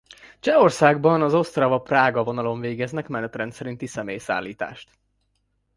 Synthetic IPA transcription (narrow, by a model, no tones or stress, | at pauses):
t͡ʃɛo̞rsaːɡbɒnɒzo̞st̪rɒvɒpraːɡɒvo̞nɒlo̞ɱveːɡɛznɛkmɛnɛt̪rɛnt̪sɛɾint̪isɛmeːjsa̰ːlːiːt̪a̰ːʃt̪